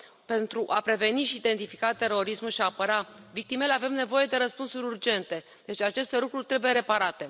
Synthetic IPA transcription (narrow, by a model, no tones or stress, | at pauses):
pe̞nt̪ɾuʔapɾe̞ve̞niʃiːd̪e̞nt̪ifikat̪e̞ɾo̞ɾismulʃiaːpəɾavik̚t̪ime̞le̞ave̞mne̞vo̞je̞d̪e̞ɾəspunsuɾʲurd͡ʒe̞nt̪e̞ | d̪̥e̞t͡ʃʲat͡ʃe̞st̪e̞lukɾurʲt̪ɾe̞buje̞ɾe̞paɾat̪e̞